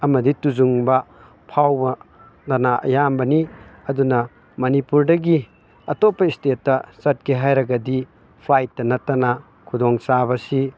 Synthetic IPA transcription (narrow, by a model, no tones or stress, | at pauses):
ɐmɐdituzuŋbɐ | pʰawbɐ | nɐnaʔɐ̰jambɐniɐdunɐ | mɐnipuɾdɐɡi | ɐtopːɐistetːɐsɐt̚keɦajɾɐɡɐdi | pʰajtːɐnɐtɐna | kʰudɔŋsabɐsi